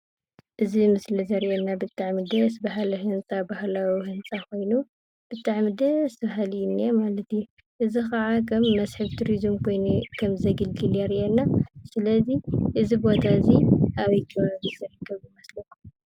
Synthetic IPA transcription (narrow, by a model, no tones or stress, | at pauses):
ʔɨzimɨslizɐɾʔenːabɨt̪ʼːaʕmɨd̪ɐsbaɦalɐɦɨnt͡sʼabahlawihɨnsʼako̞jnu | b̥ɨt̪ʼaʕmɨd̪ɐsʰbaɦalijnemalɐt̪ju | ʔɨzixɐʕakʰɐmːɐsħɨβt̪ʰuɾizɨmkʰo̞jnukʰɐmzɐɡɨlɡɨljaɾiʔenːasɨlɐziʔɨzibo̞t̪ʰaziʔaβik̪ʰɐβaβizɐɾɐkʰːɐβɨmɐslɐku